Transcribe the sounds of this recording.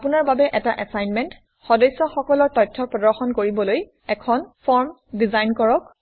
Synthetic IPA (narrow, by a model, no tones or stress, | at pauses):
apunaɹbabɛʔɛtaʔɛsajnmɛnt | xɔdɔjsːɔxɔkɔlɔɹtɔjtʰːɔpɹɔdɔɹxɔnkoɹibɔloj | ɛkʰɔnpʰɔɹm | dizajnkɔɹɔk̚